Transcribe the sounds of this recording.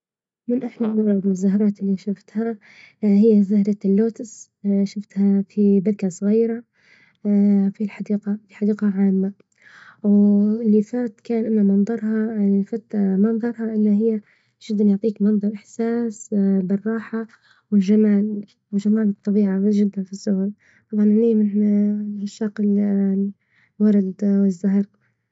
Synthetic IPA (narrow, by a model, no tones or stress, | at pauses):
mɪnʔaħlalːʊːɾʊd̪ɪzːaɦɾˤɑːt̪ɪlːiʃʊft̪ha | hɪjːazahɾˤɑlːoːt̪ɪs | ʃɪft̪hafibɪdkasˤɣiːɾa | filħad̪iːqafiħad̪iːqaʕaːmːa | wlːifaːt̪kaːnʔanːamɑnðˤɑɾˤhɑfaːt̪mɑnðˤɑɾˤhɑʔɪlːiɦɪjːa | ʒ̥ɪd̪ːanjʊʕt̪ˤiːkmɑnðˤɑɾˤʔɪħsaːsbɪrˤːɑːħa | wɪlʒamaːl | wɪʒamaːlɨt̪ˤːɑbiːʕaʒɪd̪ːanfisːʊhʊl | t̪ˤɑbʕɑnʕaliːmɪn | ʃːaql | wɑɾˤɑd̪wɪzːaɦɑɾˤ